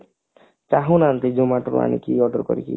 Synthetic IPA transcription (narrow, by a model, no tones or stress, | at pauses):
t͡ʃaɦonant̪id͡ʒomaʈɾṵa̰nḭkiɔɖɔɾkɔ̰ɾiki